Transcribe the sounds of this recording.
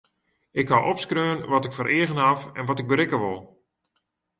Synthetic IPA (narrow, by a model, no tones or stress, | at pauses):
ʔɪkhawʔɔpskrøːnʋɔtɪkfɔɾʔɪəɣənɦafɛnʋɔtɪɡ̚bəɾɪkəʋolˠ